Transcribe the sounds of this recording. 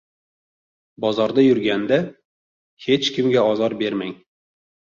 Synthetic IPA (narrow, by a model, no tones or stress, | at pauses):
bɒzɒɾd̪ajʊɾɡʲand̪a | he̞t͡ʃkʲʰɪmɡʲaɒzɒɾbe̞ɾmaŋ